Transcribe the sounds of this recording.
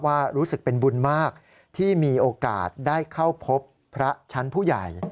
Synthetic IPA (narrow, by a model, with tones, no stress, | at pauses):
waː˥˩ɾuː˦˥sɯ˨˩k̚pe˧nbu˧nmaː˥˩k̚ | t̪ʰiː˥˩miː˧ʔoː˧ka̰ː˨˩t̪̚daː˥˩jkʰa˥˩wpʰo˦˥pʰːɾa˦˥t͡ɕʰa˦˥npʰuː˥˩ja̰˨˩j